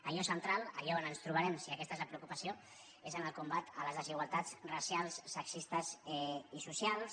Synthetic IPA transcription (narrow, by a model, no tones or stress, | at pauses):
əʎɔsənt̪ɾalə̰ʎaonənst̪ɾuβəɾɛmsiəkɛst̪aezləpɾəukupəsio | ezənəlˠkumbat̪ələzðəziɣwalˠt̪at͡srəsjalˠsːəksist̪əzɛisusjalˠs